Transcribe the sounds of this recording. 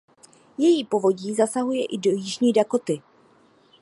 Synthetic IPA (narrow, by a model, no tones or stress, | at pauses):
jɛjiːpo̞vo̞ɟiːzasaɦujɛʔɪdojɪʒɲiːdakot̪ɪ